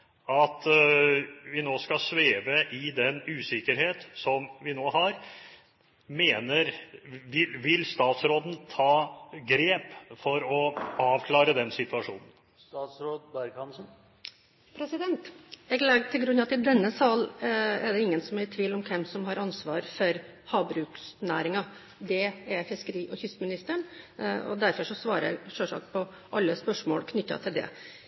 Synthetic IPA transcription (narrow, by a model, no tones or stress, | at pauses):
ɑt̪ | ʋɪnoːskɑsʋeːʋəʔɪd̪ɛnʉːsɪkəɾheːt̪sɔmʋɪnoːɦɑɾ | meːnəɾʋɪlʋɪlst̪ɑːt̪sɾoːd̪n̩t̪ʰɑːɡɾeːpfɔɾɔɑːʋkʰlɑːɾəd̪ɛnsɪt̪ʰʉɑʂuːnən̩ | st̪ɑːt̪sɾoːd̪̚bæɾɡɑnsn̩ | pʰɾɛsɪd̪ɛnt̪ɛɡlɛɡt̪ʰɪlɡɾʉnɑɑt̪ɪd̪ɛnːəsɑlɛɖɛɪŋːənsɔmæɾt̪ʰʋiːlɔmkʰɛmsɔmɦɑɾɑnsʋɑːɾfɔɾhɑːbɾʉːksnæːɾɪŋɑ | d̪ɛɛfɪskəɾiːʔɔçʏst̪mɪnɪst̪əɳɔ̰d̪æɾfɔʂɔsʋɑːɾəɛ̰ʂøʂɑ̰ːk̚t̪̚pʰɔ | ʔɑlːəspœʂmo̰ːlkʰnʏt̪ːɑ̰t̪ʰɪld̪ɛ̰